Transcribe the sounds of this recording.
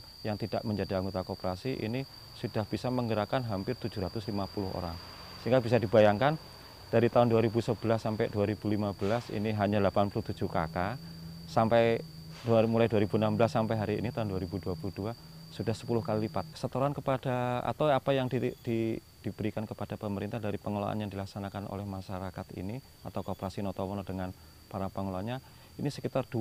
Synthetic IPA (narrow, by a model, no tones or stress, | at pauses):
jaŋt̪id̥aʔməɲd͡ʒadiaŋɡut̪akopəɾasiʔḭni | sud̥ahb̥isaməŋɡəɾakanɦampɪrt̪ud͡ʒuɾat̪ʊslimapulʊɦo̰ɾa̰ŋ | səiŋɡabis̬adibajaŋkan | d̥aɾit̪aʊnduwaɾibusəb̥əlasːampɛduaɾib̥ulimab̥əlasḭniɦaɲalapanpulʊht̪u̥d͡ʒuka̰kasampɛj | dmulajduaɾibuənambəlasːampajɦaɾiːnit̪aʊnduaɾibuduapuluduasudahsə̥pulʊhkalilipat̪̚ə̥sət̪əɾankəpad̥aa̰t̪awapajaŋdid̥i | d̥ib̥əɾikankəpad̥apəməɾint̪ahdaɾipəŋola̰a̰njaŋdilaksanakano̰lɛhmaʃaɾakat̪ḭni | at̪awkopəɾasinɔt̪ɔmɔnɔdəŋan | paɾapəŋolaɲa | inisəkit̪ard̥u